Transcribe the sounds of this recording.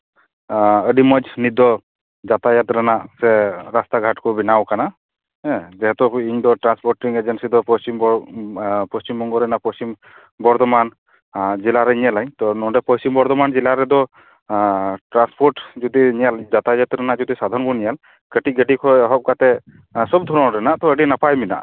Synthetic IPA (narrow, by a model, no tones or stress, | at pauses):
əɖimɔd͡ʒnid̪ɔ | zat̪ajat̪ɾənasɛɾast̪aɡʱaʈkɔbinawkana | zɛɦɛt̪ɔiɲd̪ɔʈɾanspʰɔɾʈiŋed͡ʒɛnsid̪ɔpɔst͡ʃim | pɔst͡ʃimːɔŋɡɔɾɛnapɔst͡ʃim | bɔɾd̪ɔman | d͡ʒilaɾɛɲialaɲt̪ɔnɔɖɛpɔsimbɔɾd̪ɔmand͡ʒilaɾɛd̪ɔ | ʈɾanspʰɔɾʈd͡ʒɔd̪iɲijald͡ʒat̪ajat̪ɾɛnad͡ʒɔd̪isad̪ʱaɾɔnbɔnijal | kəʈiɡəɖikʰɔjɔɦɔp̚kat̪ɛ | sɔb̚d̪ʱɔɾɔnɾɛnaʔt̪ɔəɖinapajmina̰ʔ